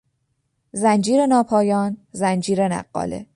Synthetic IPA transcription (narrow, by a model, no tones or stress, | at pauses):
zænd͡ʒiːɾenɒːpʰɒːjɒːnzænd͡ʒiːɾenæ̰ɢːɒ̰ːlḛ